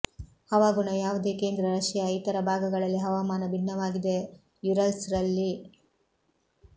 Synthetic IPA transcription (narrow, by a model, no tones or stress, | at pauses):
hɐʋaːɡuɳɐjaːʋud̪e̞ːke̞ːnd̪ɾɐɾɐʂjɐjit̪ɐɾɐbʱaːɡɐɡɐɭɐlːiɦɐʋamaːnɐbinːɐʋaːɡid̪e̞ | juɾɐlsɾɐlːi